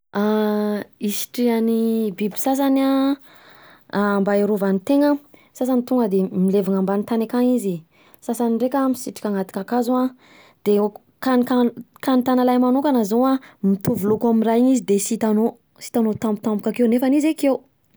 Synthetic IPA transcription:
a | isi̥ʈ͡ʂianibibi̥sas̬ana | mbaeɾovanit̪eŋəsas̬anit̪uŋɡəd̪emileviŋambanit̪anakaŋizi | sasaniɖ͡ʐekʲamisiʈ͡ʂi̥kʲaŋat̪i̥kʲakazua | d̪̥e | kanikakanit̪analajmanokanazowamit̪uvulokamiraɲizid̪esit̪ano | si̥t̪anot̪ambut̪ambukakewnefanizekew

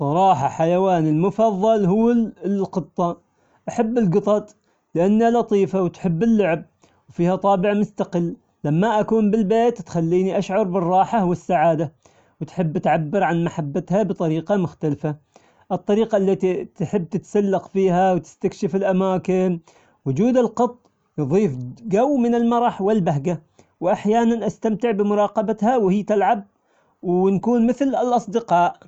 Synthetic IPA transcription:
sˤɑɾˤɑːħɑħajawaːnɪlmʊfɑðˤːɑlɦʊːlqɨt̪ˤːɑ | ʔaħabːɪlɡɨt̪ˤɑt̪ˤ | lɪʔanːalɑt̪ˤiːfawt̪ħɪbːɪlːʊʕb̚ | wfiːhat̪ˤɑːbɪʕmʊst̪aqɪlː | lamːaʔakuːnbɪlbeːt̪ːxalːiːniʔaʃʕɑɾˤbɪrˤːɑːħawɪsːaʕaːd̪a | wɪt̪ħɪbːʔat̪ʕabːɪɾʕanmaħabːat̪habɨt̪ˤɑɾiːqɑmʊxt̪alfa | ʔɨt̪ˤːɑɾiːqɑʔlːat̪it̪ħɪbːt̪ɪt̪salːɑqfiːɦawt̪ɪ̥st̪akʃɪfɪlʔamaːkɪn | wʊd͡ʒuːd̪ɪlqɨt̪ˤː | jðˤiːfɡawːmɪnɪlmɑɾˤɑħwɪlbaɦɡa | wʔaħjaːnanʔast̪amt̪ɪʕbɪmʊɾˤɑːqɑbat̪hawhɪːt̪alʕab̚ | wnkuːnmɪθlɪlʔɑsˤd̪ɪqɑːʔ

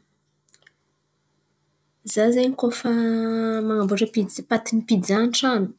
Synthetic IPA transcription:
zazajɲikofəmaŋambuʈ͡ʂəpipat̪inipid͡zanʈ͡ʂanu̥

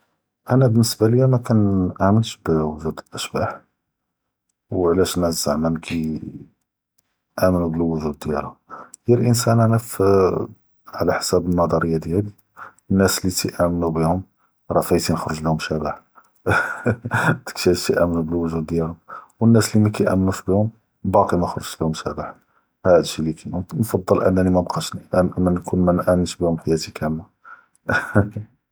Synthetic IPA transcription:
ʔænæbənːəsbaləjːæmækænʔamənʃbəwʊʒud̪əlʔəʃbaħ | wʕlæʃnːæzaʕmænkʰi | ʔæmənubəlwːʊʒud̪jæ̰lajilʔənsænʔænæf | ʕlæħsæbənːɑd̪ˤɑɾəjːad̪jæli | ənːæslit̪iʔæmənubihʊm | ɾˤɑfæjt̪inəxɾəʒlihʊmʃæbaħ | t̪ə̥kʃæt̪iʔæmnubəlwəʒud̪ːjælhʊmwənːæslimækæjʔæ̰mːnuʃbihʊm | bɑqimæxɾˤəʒlihʊmʃæbaħ | hæd̪ʃilikænunfɑd̪ˤːəlʔə̰nːænimæbqɑʃnʔmænkunmænʔæmənʃbihʊmħajæt̪ikæmːa

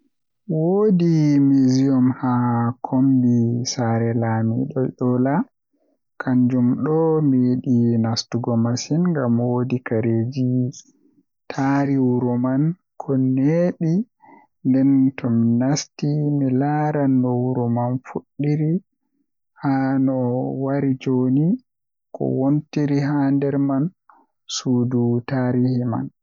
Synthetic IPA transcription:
wodimiziɔmhakʰombisaɾɛlamiɗɔɗɔla | kʰaɲd͡ʒumɗɔmiɗinastuɡɔmasinŋɡamwodikaɾed͡ʒi | tʰaɾiwuɾɔman | kʰɔneɗi | ndɛntɔminastimilaɾanːɔwuɾɔmanfuɗːiɾi | hanɔwaɾid͡ʒoni | kʰɔ̰wontiɾiɦandɛɾman | suːdutaɾihima̰n

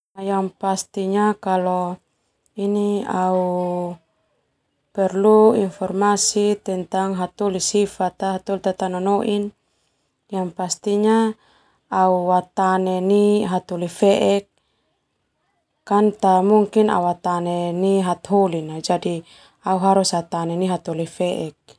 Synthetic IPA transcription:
ajaŋpast̪iɲakalɔ | iniau | pɛrluinfɔrmasit̪ɛnt̪aŋɦat̪ulisifat̪aɦat̪ɔlt̪at̪anɔnɔʔin | jaŋpast̪iɲa | auwat̪aneniɦat̪olifɛʔɛk̚ | ant̪amuŋkina̰wat̪aneniɦat̪ɦolinad͡ʒadi | auɦaɾushat̪anɛniɦat̪olifɛʔɛk̚

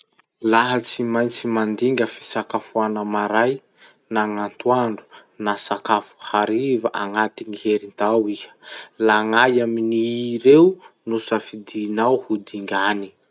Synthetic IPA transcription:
laɦət͡simajnt͡simand̪iŋɡʲəfi̥sakafuanəmaɾaj | naŋant̪uaɳɖ͡ʐu̥ | nasakafu̥haɾivaʔaŋat̪iŋiɦeɾint̪awiə̥laŋajaminiːɾewnusafid̪iːnawhud̪iŋɡani̥

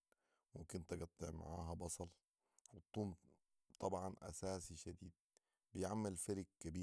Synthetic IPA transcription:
wɪkʊnt̪aɡɑt̪ˤːɪʕma̰ʕaːɦabɑsˤɑl | wɪt̪ˤːuːm | t̪ˤɑbʕɑnʔa̰saːsiʃad̪iːd̪̚ | bɪjʕamːɪlfaɾɪk̚kːabiː

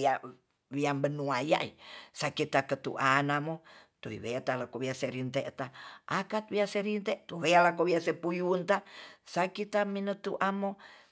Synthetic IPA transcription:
a | wiambənuaja̰ḭsakit̪akət̪ṵʔanamot̪uḭβeat̪alakowiaseɾint̪eʔt̪aʔakat̪̚βiaseɾint̪eʔt̪uwealakowiasepujunt̪asakit̪aminət̪ṵʔamo

